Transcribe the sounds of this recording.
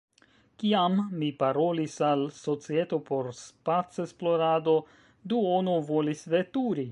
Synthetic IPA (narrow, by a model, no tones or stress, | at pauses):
kiamːipaɾo̞lisalso̞t͡sie̞to̞po̞ɾspat͡sesplo̞ɾado̞ | duonuvo̞lisve̞tuɾi